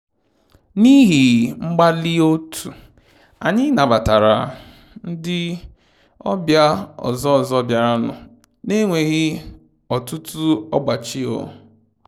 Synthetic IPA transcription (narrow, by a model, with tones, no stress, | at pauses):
ni˦ɦi˨ŋ͡m̩˦ɡ͡ba˦li˦o˦tʰu˨ | a̰˨ɲɪ˦na˨ba˨ta˨ɾa̰˨ | n̩˦dɪ˦ | ɔ̰˦bja˦ɔ̰˨zɔ˦˨zɔ˦bja˨ɾa˦nʊ̰˨ | ne˦ŋʷe˨ɣɪ˦ | ɔ˨tʊ˦tu˦ɔ˦ɡ͡ba˨t͡ʃi˦o̰˨